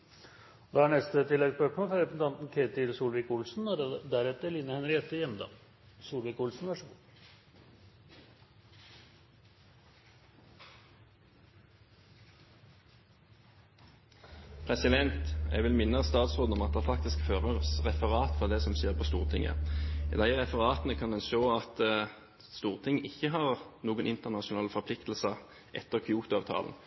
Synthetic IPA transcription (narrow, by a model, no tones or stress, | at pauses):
d̪ɑːæɳɛst̪ət̪ʰɪlːɛɡspøkmoːlfɔɾɾɛpɛsn̩t̪ɑnt̪n̩kʰeːt̪ɪlsuːlʋɪːkʊlsn̩d̪æɾɛt̪əlinəhɛnɾɪɛt̪əjɛmd̪ɑ̰ | suːlʋɪːkʊlsn̩ʋæʂəʋuː | pʰʁɛsɪd̪ɛnt̪ɛ̰ɡʋɪlmɪnːəst̪ɑːt̪sʁoːd̪ɔmɑt̪̚d̪ɛːʁfɑk̚t̪ɪskføːʁəʁsʁɛfəʁɑːt̪fɔʁd̪ɛsɔmseːʁpʰoːst̪ṵːʁt̪ʰɪŋə̰d̪æɪʁɛfəʁɑːt̪nəkʰɑnd̪ɛnʃoːɑt̪ | st̪uːʁt̪ʰɪŋɪçːəɦɑːʁnuːɡənʔɪnt̪əʁnɑʃʊnɑːləfɔʁpʰlɪkt̪l̩sə | ʔɛt̪ːəʁkʰɪuːt̪ʊɑːʋt̪ʰɑ̰ːln̩